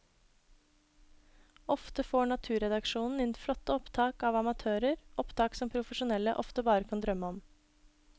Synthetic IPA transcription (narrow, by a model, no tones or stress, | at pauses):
ɔft̪əfoːɳɑt̪ʰʉːɾɛd̪ɑkʃuːnn̩ɪnflɔt̪ːəɔpt̪ʰɑːkɑʋɑmɑt̪ʰøːɾəɾʔɔpt̪ʰɑːksɔmpʰɾʊfəʃʊnɛlə̰ʔɔft̪əbɑːɾəkʰɑnd̪ɾœmːəɔm